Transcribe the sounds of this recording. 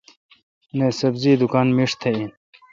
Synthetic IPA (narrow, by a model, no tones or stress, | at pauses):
nesɐbziːd̪ukaːnmiʂt̪ʰein